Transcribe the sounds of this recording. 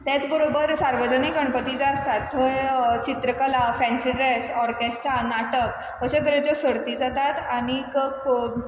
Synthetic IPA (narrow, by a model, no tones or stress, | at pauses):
t̪jat͡sbəɾobəɾsaɾʋəd͡ʑənikəɳ̃pət̪id͡zaəst̪at̪ʰːət͡ɕit̪ɾəkəlafɛ̃nsiɖɾesɔɾkesʈɾanaʈək | ʋəɕekəɾet͡ɕɔsəɽt̪iːd͡zat̪at̪añikək